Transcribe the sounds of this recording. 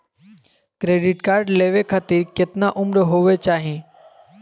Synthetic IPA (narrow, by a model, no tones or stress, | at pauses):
kɾeːɖɪʈkaːɾɖleːʋekʰat̪iɾkɪt̪naʔʊmɾɦoːʋet͡ʃaːɦĩː